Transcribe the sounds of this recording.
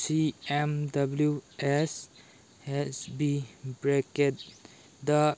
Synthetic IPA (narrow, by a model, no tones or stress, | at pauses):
siɛ̃mdabljuʔɛs | hɛsbibɹɛkɛt̚ | d̪ə